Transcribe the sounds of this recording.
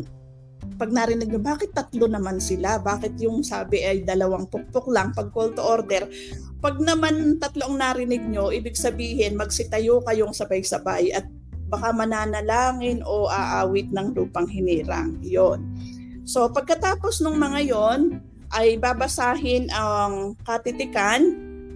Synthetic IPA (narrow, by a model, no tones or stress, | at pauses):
pɐɡ̚nɐɾɪnɪɡ̚ɲobaːkɪt̪ːɐt̪lo̞nɐmansɪlabaːkɪt̪̚jʊŋsaːbɪʔɐjd̪ɐlɐwaŋpok̚poklaŋpɐɡ̚kolt̪oʔoɾd̪ɛɾ | pɐɡ̚nɐmant̪ɐt̪loʔɐŋnaɾɪnɪɡ̚ɲo̞ʔiːbɪɡsɐbiːhɪnmɐɡ̚sɪt̪ɐjokɐjoŋsɐbajsɐbajʔɐt̪̚ | bɐkamɐnaːnɐlaːŋɪno̞ʔaʔaːwɪt̪̚nɐŋluːpɐŋɦɪniːɾa̰ŋjon | so̞pɐɡ̚kɐt̪aːpo̞snʊŋmɐŋajo̞n | ʔɐjbabɐsaːɦɪnʔɐŋkɐt̪ɪt̪ɪkan